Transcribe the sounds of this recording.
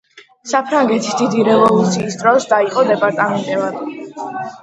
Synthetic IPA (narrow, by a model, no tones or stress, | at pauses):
sapʰɾaŋɡɛt̪ʰisd̪id̪iɾɛvɔlˠut̪sʰiːsd̪ɾɔsd̪aiqʼɔd̪ɛpʼaɾt̪ʼamɛnt̪ʼɛvad̪